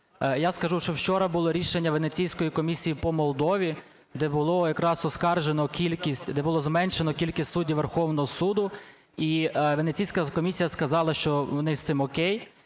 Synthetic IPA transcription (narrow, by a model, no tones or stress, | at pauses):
jaskɐʒuʃt͡ʃɔwt͡ʃɔɾɐbʊlˠɔɾʲiʃenʲːɐʋenet͡sʲijsʲkɔjikɔmʲisʲijipɔmɔlˠd̪ɔʋʲi | d̪ɛbʊlˠɔjɐkɾɑsɔskɑrʒenɔkʲilʲkisʲtʲd̪ɛbʊlˠɔzmɛnʃenɔkʲilʲkɪsʲsudʲiʋerxɔwnɔɦɔsud̪ʊ | iʋenet͡sʲijsʲkɐkɔmʲisʲijɐskɐzɑlˠɐʃt͡ʃɔʋɔnɪsɪmɔkʲɛj